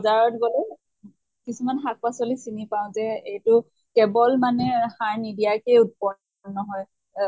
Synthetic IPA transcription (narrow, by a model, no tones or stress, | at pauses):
zaɹɔtɡolɛ | kisumanxak̚pasɔlisinipaʊ̃tɛejtʊ | kɛbɔlmanɛhaɹnidijakejut̚pɔ | nːɔɦɔj